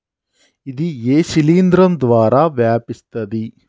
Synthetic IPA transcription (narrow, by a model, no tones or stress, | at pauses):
ɪd̪iːjeːsɪliːnd̪ɾənd̪ʋaːɾaːʋjaːpɪst̪ɐd̪iː